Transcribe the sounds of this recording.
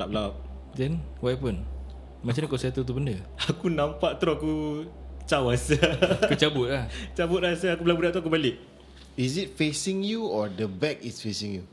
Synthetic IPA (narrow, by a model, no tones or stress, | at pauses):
lap̚lap̚ | dɛnwapun | mat͡ʃankasiat̪ut̪̬ubəndəakunãmpaʔt̪ɾoaku | t͡ʃawasakut͡ʃabʊt̪̚laht͡ʃabʊt̪̚lasaakubəlabudaʔt̪uakubalɪk̚ | is̬it̚fesĩŋjuɔdəbɛk̚isfesĩŋju